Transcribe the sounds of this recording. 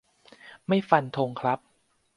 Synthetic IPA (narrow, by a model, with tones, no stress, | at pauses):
ma˥˩jfa˧nt̪ʰo˧ŋkʰɾa˦˥p̚